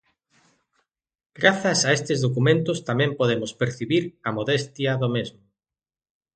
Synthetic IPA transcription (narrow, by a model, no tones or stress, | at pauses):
ɡ̥ɾaθɐsaest̪ezðokumẽnt̪ʊst̪amẽmpoð̞emʊspeɾθiβiɾɐmoðest̪jɐðomezmʊ